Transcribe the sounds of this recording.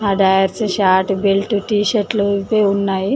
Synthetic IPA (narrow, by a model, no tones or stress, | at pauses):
ɦaɖajəɾt͡seɕaʈbelʈuʈiɕəʈləpeunːai